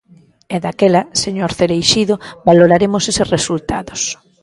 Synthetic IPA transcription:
eðakelaseɲoɾθeɾejʃiðʊbaloɾaɾemoseseresult̪a̰ðos

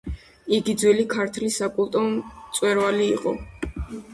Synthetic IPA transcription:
iɡid̪zwɛlikʰaɾt̪ʰlisakʼulˠt̪ʼɔt̪sʼwɛɾvaliːqʼɔ

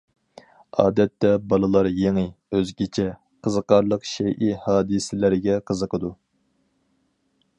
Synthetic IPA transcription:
ɑːd̪ɛt̪ːɛbɑlˠɨlˠɑɾjeŋɨøzɡʲet͡ʃʰɛ | qʰəzəqɑɾlˠəqʃɛjʔihɑːd̪ɨsɪlɪɾɪɡʲɛqʰəzəqʰəd̪u

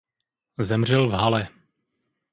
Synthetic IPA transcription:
zɛmr̝ɛlvɦalɛ

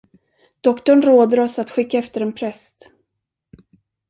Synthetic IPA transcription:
d̪̥ɔkt̪ɔɳɾoːd̪əɾɔsat̪ɧɪkːaɛft̪əɾɛnpʰɾɛst̪

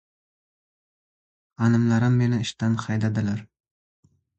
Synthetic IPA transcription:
anɪmlaɾɪmːe̞nɪɪʃt̪anχɑjd̪ad̪ɪlaɾ

